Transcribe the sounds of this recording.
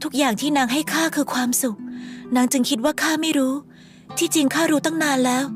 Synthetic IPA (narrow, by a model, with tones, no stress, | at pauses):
t̪ʰu˦˥k̚jaː˨˩ŋt̪ʰiː˥˩naː˦˥ŋɦa˥˩jkʰaː˥˩kʰɯː˧kʰwaː˧msu˨˩k̚na˦˥ŋt͡ɕɯ˧ŋkʰi˦˥t̪̚waː˥˩kʰaː˥˩ma˥˩jɾuː˦˥ | t̪ʰiː˥˩t͡ɕi˧ŋkʰaː˥˩ɾuː˦˥t̪ɔ˥˩ŋnaː˧nlɛː˦˥w